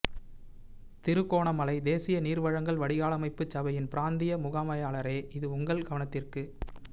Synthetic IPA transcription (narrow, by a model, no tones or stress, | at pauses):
t̪ɪɾɯkːoːɳɐmɐlɐɪd̪eːsɪjɐniːɾʋɐɻɐŋɡɐɭʋɐɽɪɣaːlɐmɐɪpːɯt͡ʃːɐbɐjɪnpɪɾaːnd̪ɪjɐmʊɣaːmɐjaːɭɐɾeːʔɪðɯʊŋɡɐɭɡɐʋɐnɐt̪ːɪrkɯ